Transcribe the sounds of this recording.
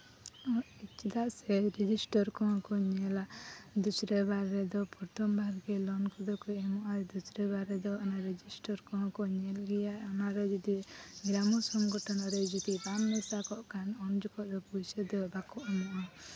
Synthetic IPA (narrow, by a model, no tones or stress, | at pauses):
ɔ | ɛt͡ʃid̪aʔsɛɾɛd͡ʒisʈɔɾkɔɦkɔɲɛlad̪usɾebaɾːɛd̪ɔpuɾt̪ɔmbʱaɾɡɛlɔnkɔd̪ɔkuɛmɔʔaɾɛd̪usɾebaɾɛd̪ɔɔnaɾɛd͡ʒisʈɔɾkɔɔ̃kɔɲɛlɡɛjaɔnaɾɛd͡ʒɔd̪iɡɾamɔsɔŋɡɔʈɔnɔɾɛd͡ʒɔt̪ibamːɛsakɔʔkanɔmd͡ʒɔkɔʔd̪ɔpujsed̪ɔbakɔʔmɔʔɔ̃